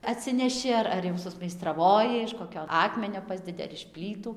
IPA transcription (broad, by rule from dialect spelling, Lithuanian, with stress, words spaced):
ɐtʲˈsʲɪnʲɛʃʲɪ ɐr ɐr jɛʊ sʊsʲmʲɛɪstrɐˈʋoːjɪ ɪʃ koːˈkʲoː ˈɑːkmʲɛnʲoː ˈpɑːzʲdʲɛdʲɪ ɐr ɪʃ ˈpʲlʲiːtuː